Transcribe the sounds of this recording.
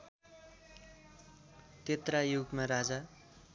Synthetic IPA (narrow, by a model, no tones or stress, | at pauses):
t̪et̪rajuɡmaɾad͡za